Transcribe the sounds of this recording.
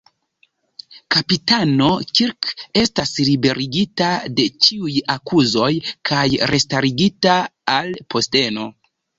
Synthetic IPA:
kapitano̞kiɾke̞staslibe̞ɾʔiɡitade̞t͡ʃiujakuzo̞jkʰajɾʔe̞staɾiɡitaalpʰo̞ste̞no̞

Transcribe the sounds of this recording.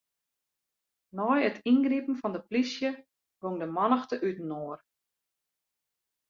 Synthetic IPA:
nɔjətʰinɡripn̩fɔndəplisjə | ɡoŋdəmɔnəxtəʔytn̩oər

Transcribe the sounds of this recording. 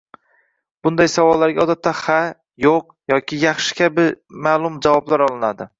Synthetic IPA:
b̥ʊnd̪ajsavɒlˠːaɾɡʲaɒd̪at̪ʰːaχa | joq | jɒkʲʰɪjɑχʃɪ̥kʲʰabɪmaːlˠʊmd͡ʒavɒblaɾɒlˠɪnad̪ɪ

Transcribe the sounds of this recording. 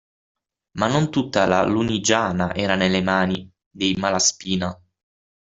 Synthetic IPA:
manːont̪ut̪ːala̰lunid͡ʒaːnaʔɛːɾanelːemaːni | d̪ejmalaspiːna

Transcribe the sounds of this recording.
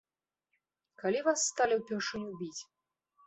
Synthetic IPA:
kalʲivasːt̪alʲiwpʲɛrʂɨnʲubʲit͡sʲ

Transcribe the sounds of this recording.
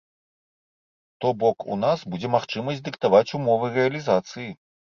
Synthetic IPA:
t̪ɔbɔkṵnasbud͡zʲɛmaxt͡ʂɨmɐsʲd͡zʲd̪ɨkt̪avat͡sʲumɔvɨrɛɐlʲizat̪sɨji

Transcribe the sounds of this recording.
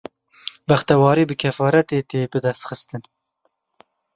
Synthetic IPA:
bæxt̪ɛwɑːɾiːbɨkʰɛfɑːɾɛt̪eːt̪eːbɨd̪ɛst̪xɨst̪ɨn

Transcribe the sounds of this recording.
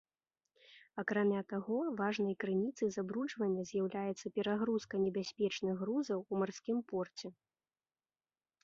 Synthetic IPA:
akɾamʲat̪aɣɔvaʐnɐjkɾɨnʲit̪sɨzabɾut͡ʂvɐnʲːɐzʲjawlʲajɛt̪sɐpʲɛɾaɣɾuskɐnʲɛbʲasʲpʲɛt͡ʂnɨɣːɾuzɐwːmarsʲkʲimpɔrt͡sʲɛ

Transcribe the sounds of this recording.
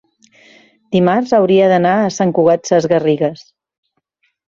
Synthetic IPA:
d̪̥imarzəwɾiəðənaəsaŋkuɣ̞at̪səzɣəriɣəs

